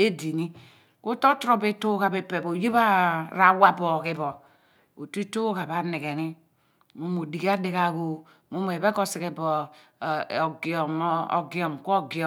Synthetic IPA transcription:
e˦di˨ni˦ | ku˦to˦tɾo˦be˦to˦ka˨be˨pe˨bo˨je˦βa˦ɾa˨wa˦˨bɔ˨ki˦bɔ˨ | o˨ti˦to˦ka˨ba˨ne˨ke˨ni˦ | mo˦mo˨di˨ka˦di˦ka˨ko˦ | mo˦m˨e˨bɛ˦ko˦si˨ke˨bɔ˨ | ɡɔ˨m˦o̰˨ɡi˨ɔ˨mko˦ɡi˨ɔ˨

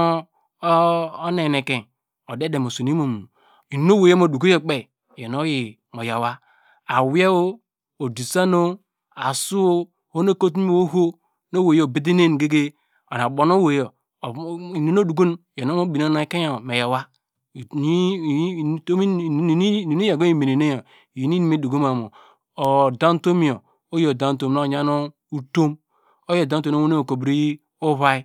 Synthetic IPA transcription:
o˦ne˨ne˨ke˨ | o˨de˦de˨mo˨so˨n˦i˦mo˨mu˨ | i˨ni˨˦no˦wo˨je˦mo˨du˨ko˦je˦k͡pe˦˨ | je˨no˦ji˨ | mo˨ja˨wa˦ | a˨wje˦wo˦ | o˨di˨sa˦no˦ | a˨su˦o˦ | ho˦no˦˨ko˦t̬o˦ɦo˦ | no˦we˨jo˨bi˦d̬i˦ne˦˨n˨ɡe˦ɡe˦ | o̰˨na˨ɓo˨no˦wo˨jo˨ | i˨no˦no˦du˨ɡu˦n˨ja˨no˦o˦bi˨na˦na˨˦ke˦ja˨me˨je˨wa˦˨˦ | to˦mi˦˨˦ni˨ni˦a˨ɡo˦i˦˨me˨ni˨ne˦jo˨ | ji˨˦i˦ni˦mi˦du˨ɡu˦ma˨mo˨ | o˨da˦n˦to˦mi˦˨o˨ | o˦jo˨da˦n˨˦to˦˨mno˦˨ɲa˦no˦ | u˦to˦m | o˦jo˨da˦u˦o˨˦o˦o˦e˦o˨ko˨bɾi˦ | o˦βa˦i˦

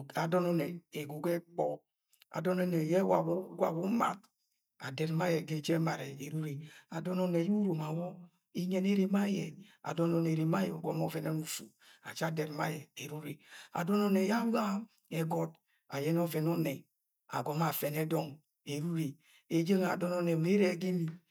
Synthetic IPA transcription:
a˨dɔ˦nɔ˦nɛ˨e˨ɡu˨ɡɛ˦k͡pɔ˦ | a̰˨dɔ˦nɔ˦ne˨jɛ˦wa˨bu˦ɡʷa̰˨bu˦ma̰˨t̚ | a̰˨dɛ˨ɾma˦jɛ˨ɡe˦˨d͡ʒe˦ma˨ɾe˨e˨ɾu˦ɾi˨a˨dɔ˦nɔ˦ne˨ju˦ɾo˨ma˨wɔ˦ | i˦ɲe˦ne˦ɾe˦ma˦je˨a̰˨dɔ˦nɔ˦ne˨ɾe˨ma˦jɛ˨u˨ɡɔ˦mɔ˦vɛ˨ne˦nu˦fṵ˨ | a̰˨t͡ʃa˦˨dɛ˨ɾma˦jɛ˨e˨ɾu˦ɾe˨a̰˨dɔ˦nɔ˦ne˨ja˦wa˦ | ɛ˨ɡɔ˦t | a˨jɛ˦n˦ɔ˦vɛ˨nɔ˦ne˨ | a̰˨ɡɔ˨˦ma˨fɛ˨nɛ˦dɔ˦ŋ | e˨ɾu˦ɾe˨ | e˨d͡ʒe˦ŋa̰˨dɔ˦nɔ˦ne˨m˨˦e˦ɾe˦˨ɡi˦ni˨

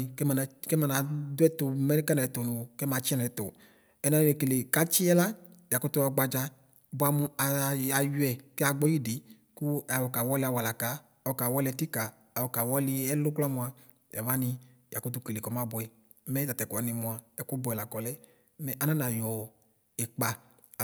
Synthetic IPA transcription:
kɛ˦m˨na˨kɛ˦ma˧˨na˨dʊ˦ɛ˦tʊ˧˦mɛ˦kɛ˦nɛ˨tʊ˨nʊ̃˨kɛ˦ma˧t͡ʃi˦nɛ˨˦tʊ˨ | ɛ˨na˨˧n˨ɛ˨ke˨le˨ka˦t͡ʃi˦ɛ˦la˦ja˨kʊ˦tʊ˦˧a˧ɡ͡ba˧d͡ʒa˧ | bʊ˧˦a˧mʊ˧a˨˧a˨ju˦ɛ˨kɛ˦a˧ɡ͡bɔ˦ji˦di˨˦ | kʊ˦a˨wɔ˧ka˨wɔ˦lɪ˧˦a˧˨wa˨la˨ka˨˦ | ɔ˧ka˨wɔ˦li˧ɛ˧ti˦kaː˨ | wɔ˧ka˨wɔ˦lɪ˧ɛ˦lʊ˦kla˦mʊ˧a˧ | ja̰˨va˦ni˧ | ja̰˨kʊ˦t̬ʊ˧ke˨le˨kɔ˨˦ma˨˦bʊ˧ɛ˨˦ | mɛ˦ta˨tɛ˨ku˨a˨ni˨˧mʊ˧a˨ɛ˨ku˦bʊ˧˨ɛ˨la˨kɔ˨lɛ˦ | mɛ˦ʔa˧˨nã˦na˨jɔ˨ | ɛ˨k͡pa˨

